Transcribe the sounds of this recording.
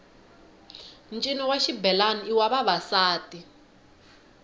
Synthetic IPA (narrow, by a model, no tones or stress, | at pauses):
nt͡ʃʼinɔwaʃibɛlaniiwaβaβasaːtʼi